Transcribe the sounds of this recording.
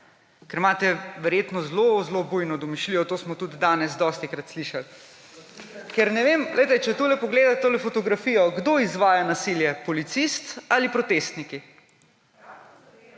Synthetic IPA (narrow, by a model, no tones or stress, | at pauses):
kɛɾmaːt̪ɛʋɛɾjeːt̪nɔzlozlobujnɔd̪ɔmiʃliːjɔt̪oːsmɔt̪ud̪id̪aːnɛzd̪ɔst̪ikɾat̪sliʃal | kɛɾnɛʋemlʔɛjt̪ɛt͡ʃɛt̪ulɛpɔɡleːd̪at̪t̪olɛfɔt̪ɔɡɾafiːjɔɡd̪oːizʋaːjanasiljɛpɔlit̪sist̪alipɾɔt̪eːst̪niki